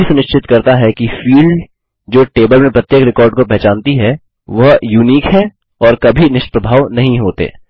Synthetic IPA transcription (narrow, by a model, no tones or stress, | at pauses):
isʊnɪʃt͡ʃʰɪt̪kɐɾt̪aɦɛkifiːlɖ | d͡ʒoːʈeːbəlmẽpɾɐt̪jekɾɪkɔːɾɖkopɛɦt͡ʃãːnt̪iɦɛ | ʋɐɦjuːniːkɦɛ | ɔːɾkɐbʱinɪʃpɾəbʱaːʋnɐɦĩɦoːt̪ḛː